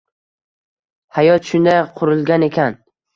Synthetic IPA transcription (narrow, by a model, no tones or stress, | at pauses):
hajɒt̪ʃʊnd̪ajqʰʊɾɪlˠɡʲane̞kʲʰan